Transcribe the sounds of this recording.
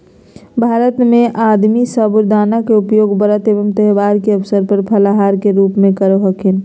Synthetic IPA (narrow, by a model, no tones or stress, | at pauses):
bʱaːɾət̪mẽʔaːd̪misəbʊɾd̪aːnakeʊpjoːɡbəɾət̪eːʋəmt̪ɛɦʋaːɾkeəʋsəɾpəɾpʰəlaɦaːɾkeɾuːpmẽkəɾoɦəkʰɪn